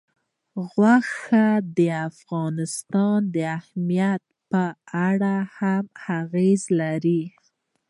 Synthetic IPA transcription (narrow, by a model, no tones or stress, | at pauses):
ɣwaxad̪əafɣɑnɪst̪ɑnd̪əahmijat̪̚pəaɽahamhaɣezlaɾi